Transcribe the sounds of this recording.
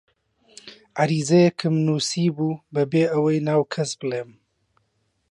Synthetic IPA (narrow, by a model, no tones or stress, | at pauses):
ʔaɾiːzɐjɛkʰɨmnuːsiːbuːbɐbeːʔɐwɐjnaːwkʰɐsbɨleːm